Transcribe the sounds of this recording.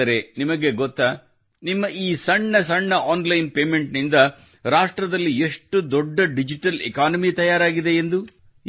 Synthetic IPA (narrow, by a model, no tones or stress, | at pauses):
ɐɾe̞nimɐɡe̞ɡɔt̪ːɐ | nimːɐʔiːsɐɳːɐsɐɳːɐaːnlɐjnpeːme̞ɳʈnind̪ɐ | ɾaːʂʈɾɐd̪ɐlːieʂʈud̪ɔɖːɐɖid͡ʒiʈɐlḛkaːnɐmit̪ɐjaːɾaːɡid̪e̞ːnd̪u